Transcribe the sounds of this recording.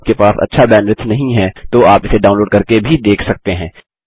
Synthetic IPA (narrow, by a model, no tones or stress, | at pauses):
kepaːsɐ̰tːʃʰabɛːnɾɪt̪ʰnɐɦĩɦɛ̃t̪oaːpɪseɖaːʊ̃nloːɖkɐɾkebʱid̪eːkʰsɐk̚t̪eɦɛ̃ː